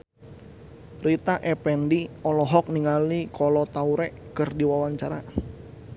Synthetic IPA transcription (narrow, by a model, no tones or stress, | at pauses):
rit̪aʔɛpɛndiɔlɔɦɔk̚niŋalikʰɔlɔt̪auɾɛʔkɨrdiwawaɲt͡ʃaɾa